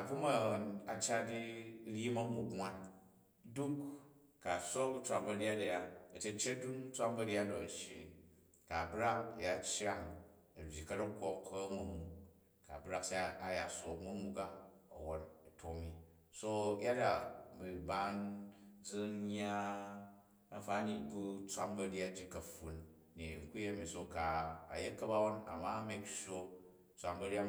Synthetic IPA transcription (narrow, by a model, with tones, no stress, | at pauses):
a˨bu˦ma˦˨na˨t͡ʃa˦di˦ɾʲi˦mɐ˦mu˦ɡŋʷa˦n | du˦k | ka˨so˦kt͡sʷa˨bɐ˨ɾja˦da˨ja˦ɐ˨t͡ʃe˦t͡ʃe˦du˦ŋ˦t͡sʷa˦mbɐ˦ɾʲja˦do˨ɐ˨ʃḭ˨ | ka˨bɾa˦kja˨t͡ʃa˦ŋ | ɐ˨bʲji˨kɐ˦ɾɐ˦ko˦mkʰɐ˦mɐ˨mu˨ | ka˨bɾa˦ksa˦a˦a˨ja˨so˨mu˦mu˦ka˦ɐ̰˨wo˦nɐ˨tʰo˨mi˦ | so˦ja˦da˨bi˨ba˦nd͡zɨ˦nɲ˦a˦ | a˦fa˦ɲi˦bu˦t͡sʷa̰˦mbɐ˦ɾja˦d͡ʒi˦kɐ˨ɸu˨n | ni˨ŋ̩˨ku˦je˦mi˨so˨ka̰ː˨je˦kːɐ˦ba˦wo˦na̰˨ma˦me˦kʃo˦ | t͡sʷa˦mbɐ˦ɾi˦a˦